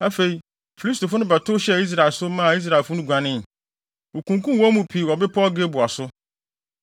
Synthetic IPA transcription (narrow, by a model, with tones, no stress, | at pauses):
a˦fe˨i˨ | fi˨li˦s̬tʰo˨fʊ˦nʊ̃˦bɛ˨tʰʊ˦ɕɛ˦˨i˦s̬ɾa˨lsʊ˦mã˦˨i˦s̬ɾa˨fʊ˦nʊ̃˦ɡʷã˨nɪ̃˦˨ | o˨kʰũ˨ŋkũ˦mwɔ̃˦mũ˨pʰi˨ɔ˨bɪ˦pʰɔ˦ɔ˦ɡe˦bʊ˨a˨sʊ˦